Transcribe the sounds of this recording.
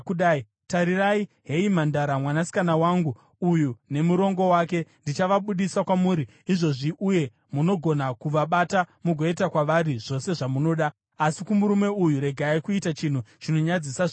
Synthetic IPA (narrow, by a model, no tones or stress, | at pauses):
uɗai | taɾiraiɦe̞imandaɾamwanasi̥kanawaːŋɡu | ujune̞muɾo̞ŋɡo̞waːke̞ndit͡ʃaʋaɓuɗisakwamuːɾiːʐo̞ʐiʔuje̞ | muno̞ɡʱo̞nakuʋaɓatamuɡʱo̞etakwaʋaɾiʐ̥o̞se̞ʐamuno̞ːɗaː | sikumuɾume̞ujuɾe̞ɡʱaikuitat͡ʃin̤ut͡ʃino̞ɲad͡zisaʐ